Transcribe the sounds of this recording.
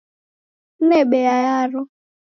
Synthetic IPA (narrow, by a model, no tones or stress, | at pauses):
ebejajaɾʊ